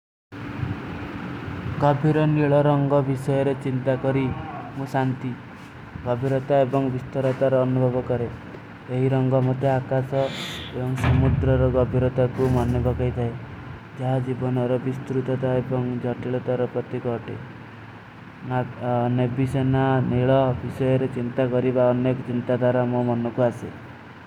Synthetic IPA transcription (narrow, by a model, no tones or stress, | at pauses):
ɡɔbʱiɾɔniɭɔɾɔŋɡɔbisɔjɔɾet͡ʃint̪akɔɾimũsant̪i | ɡɔbʱiɾɔt̪aebɔŋbist̪ɔɾɔt̪aɾɔːnubʱɔbɔkɔɾe | eɦiɾɔŋɡɔmɔt̪ʰeakasɔebɔŋsɔmud̪ɾɔɾɔɡɔbʱiɾɔt̪akumɔnebɔkɔjt̪ʰae | d͡ʒaɦad͡ʒibɔnɔɾɔbist̪ɾut̪ɔt̪aebɔŋd͡ʒɔʈiɭɔt̪aɾɔpɾɔt̪ikɔʈḛ | nebisenaniɭɔbisɔjɔɾet͡ʃint̪akɔɾibaɔnekɔt͡ʃint̪ad̪ʱwaɾamomɔnɔkuase